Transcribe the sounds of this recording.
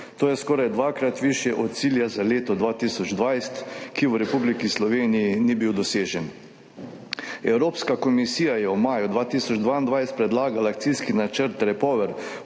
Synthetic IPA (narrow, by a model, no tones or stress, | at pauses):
t̪oːjɛskɔːɾajd̪ʋaːkɾat̪ʋiʃjɛʔɔt̪̚siːljazaleːt̪ɔd̪ʋaːt̪isɔd͡ʒd̪ʋajst̪kiwɾɛpublikislɔʋeːnijinibiwd̪ɔseːʒɛn | ɛwɾoːpskakɔmisiːjajɛumaːjud̪ʋaːt̪iːsɔd͡ʒd̪ʋaːind̪ʋajst̪̚pɾɛd̪laːɡalakt̪siskinat͡ʃəɾt̪ɾɛpɔːʋɛɾ